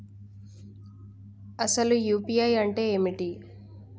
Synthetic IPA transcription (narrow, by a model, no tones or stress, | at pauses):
ɐsɐlujuːpijɐjɐɳʈe̞ːeːmiʈi